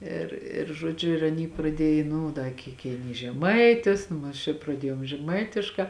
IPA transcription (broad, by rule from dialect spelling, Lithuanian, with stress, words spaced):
ɪr ɪr ʒoːˈd͡ʒʲʊ ɪr ɐˈnʲiː prɐˈdʲiɛj ˈnʊ dɐ ˈkʲiːk kʲɛɪˈnʲiːs ʒʲɛˈmɐɪtʲɪs ˈnʊ ɐʃ ɪr prɐˈdʲiɛjoːm ʒʲɛˈmɐɪtʲɪʃkɑː